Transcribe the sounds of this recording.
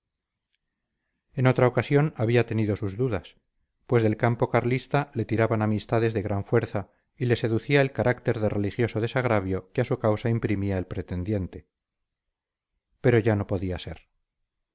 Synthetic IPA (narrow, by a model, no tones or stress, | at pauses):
eno̞t̪ɾaokasjo̞naβiat̪e̞niðo̞suzðuðas | pwe̞zðe̞lkampo̞kaɾlist̪ale̞t̪iɾaβanamist̪aðe̞zðe̞ɣɾaɱfwe̞ɾθa | ile̞se̞ðuθiaelkaɾʔakt̪e̞ɾðere̞lixjo̞so̞ðe̞saɣɾaβjo̞keasukawsaimpɾimiae̞lpɾe̞t̪e̞nd̪je̞nt̪e̞ | pe̞ɾo̞ʝano̞po̞ðiase̞ɾ